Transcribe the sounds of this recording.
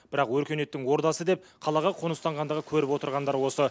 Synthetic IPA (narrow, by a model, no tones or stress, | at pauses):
b̥ɪɾɑqwɵɾkʲene̞t̪ːɪŋwo̞ɾd̪ɑsəd̪e̞pqʰɑlˠɑʁɑqʰonəst̪ɑɴʁɑnd̪əʁəkʲʰɵɾɪpwo̞t̪əɾʁɑnd̪ɑɾwo̞sə